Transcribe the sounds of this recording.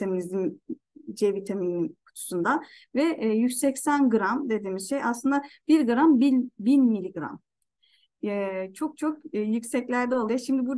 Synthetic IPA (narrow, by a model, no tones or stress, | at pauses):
emiizim | d͡ʒevit̪ʰamiinkʰu̥t̪ʰu̥sund̪a | vɛʔjysɛcsænɡɯɾamd̪e̞d̪iːmiz̥ʃejaslˠɯnd̪ab̥iɾɡɯɾambinbinmilʲiɡɾa̰m | ɛt͡ʃʰo̞k̚t͡ʃʰo̞kːjyksɛclʲæɾd̪ɛo̞lˠujaʃimd̪ibu